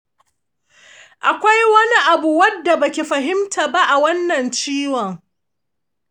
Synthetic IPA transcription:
ʔa˨kʷa˦jwɐ˦ni˦ʔa˨bu˨wɐ˦dːa˨bɐ˨kʲi˨ɸɐ˨ɦɪ˦mtʰaː˨ba˦ʔa˨wɐ˦nːɐ˨nt͡ʃiː˦wɔ˨ŋ

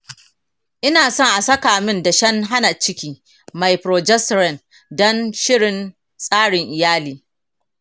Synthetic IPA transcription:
ʔɪ˦naː˨sɔ˦˨ŋʔa˨sɐ˦kaː˨mɪ˦nda˨ʃɐ˦ŋɦa˦na˨t͡ʃɪ˦kʲiː˦ | ma˨jpɾoː˨d͡ʒɛ˦sɾɛ˦˨n | dɔ˦nʃɪ˦ɽɪ˨n | sʼaː˦ɽɪ˨ŋʔɪ˨jaː˦liː˨

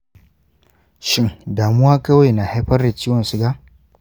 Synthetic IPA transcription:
ʃɪ˦ŋdaː˨mʊ˦waː˦kɐ˦wa˨jnaː˨ha˦jɸɐ˦rda˨t͡ʃiː˦wɐ˨nsu˨ɡa˦

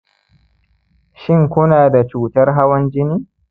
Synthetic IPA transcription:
ʃɪ˦ŋkʷʊ˦naː˨da˨t͡ʃuː˨tɐ˦rɦa˦wɐ˦nd͡ʒɪ˦niː˦

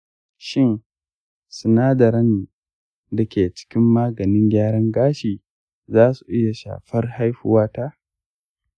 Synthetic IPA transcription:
ʃɪ˦n | sʊ˨naː˦dɐ˨ɾɐ˦n˨ | dɐ˨kʲeː˨t͡ʃɪ̥˦kʲɪ˦mːaː˦ɡɐ˨nɪ˦ŋɡʲaː˦ɾɐ˦ŋɡaː˦ʃiː˨ | zaː˦su˨ʔɪ˦ja˨ʃa̰ː˨ɸɐ˦rha˦jɸʊ˦waː˦taː˦

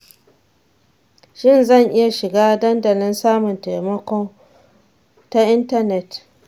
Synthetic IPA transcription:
ʃɪ˦nzɐ˦˨ŋʔɪ˦ja˨ʃɪ˨ɡaː˦dɐ˦ndɐ˨lɪ˦nsaː˦mʊ˨nta˨jmɐ˦kʷɔ˦ŋ | ta˦ʔɪ˦ntɐ˦˨nɛ˨t

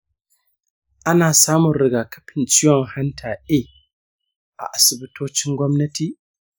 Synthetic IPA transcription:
ʔa˦naː˨saː˦mʊ˨nɾɪ˨˦ɡaː˨kɐ̥˦ɸɪ˨nt͡ʃɪ˦jɔ˨ŋha˦ntʰaː˨ʔeː˦ | ʔa̰˨ʔa˨sɪ˨bɪ˦tʰoː˦t͡ʃɪ˦ŋɡʷɔ˦mnɐ˦tiː˨

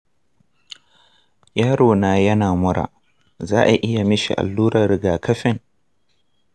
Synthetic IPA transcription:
jaː˦ɽoː˨naː˨jɐ˦naː˨mʊ˦ɽʔa̰ː˨ | zaː˦ʔa˨ʔɪ˦ja˨mɪ˦ʃḭ˨ʔa̰˨lːuː˦ɾɐ˨ɾɪ˨ɡaː˨kʰɐ˦ɸɪ˦˨ŋ

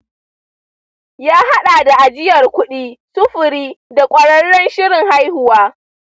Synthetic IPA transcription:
jaː˦ɦa˦ɗaː˨da˨ʔa˨d͡ʒɪ˦jɐ˨rkʷʊ˦ɗiː˦sʊ˦ɸʊ˨ɾiː˦da˨kʷʼɐ˦ɽɐ˦ɽːɔ˦nʃɪ˦ɾɪ˨ŋha˦jhʊ˨waː˦

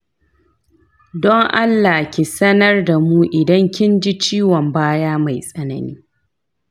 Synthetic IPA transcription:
dɔ˦ŋʔa˦lːa˨kʲi˨sɐ˦nɐ˦rda˨muː˦ʔɪ˨dɐ˦ŋkʲɪ˦nd͡ʒi˦t͡ʃiː˦wɔ˨mbaː˦jaː˦ma˨jsʼɐ˦nɐ̰˨nḭː˦

